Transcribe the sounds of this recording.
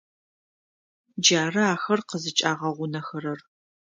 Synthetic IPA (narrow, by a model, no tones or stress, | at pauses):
d͡ʒaːrɐaːxɐrqəzɨt͡ʃʼaːʁɐʁʷʊnɐxɐɾɐr